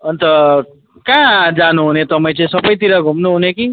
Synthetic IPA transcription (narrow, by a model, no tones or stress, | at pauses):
ʌnt̪ʌ | kãd͡zanuɦunet̪ʌpaj̃t͡sʌĩsʌbʌjt̪iɾaɡʱumnuɦuneki